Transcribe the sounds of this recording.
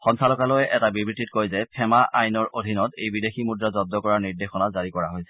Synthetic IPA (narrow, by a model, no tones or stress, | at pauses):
xɔnsʰalɔkalojɛʔɛtabibɹititkojzɛpʰɛmaʔajnɔɹʔodʱinɔtejbideximudɹazɔb̚dɔkɔɹaɹniɹdexɔnazaɹikɔɹaɦojsɛ̥